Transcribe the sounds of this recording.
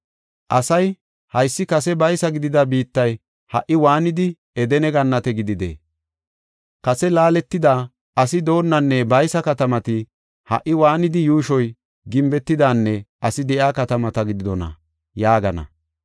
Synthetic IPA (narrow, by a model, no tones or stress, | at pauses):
ʔɐsɐj | hɐjsːɪkɐsɛbɐjsɐɡɪd̪ɪd̪ɐbiːt̪ːɐj | hɐ̰ʔːɪwaːnɪd̪ɪ | ɛd̪ɛnɛɡɐnːɐt̪ɛɡɪd̪ɪd̪ḛː | kɐsɛlaːlɛt̪ːɪd̪aː | ɐsɪd̪o̞ːnːɐnːɛbɐjsɐkɐt̪ɐmɐt̪ɪ | hɐ̰ʔːɪwaːnɪd̪ɪjuːʃɔj | ɡɪmbɛt̪ːɪd̪aːnːɛʔɐsɪd̪ɛʔjaːkɐt̪ɐmɐt̪ɐɡɪd̪ɪd̪ɔnɐ̰ | jaːɡɐnɐ̰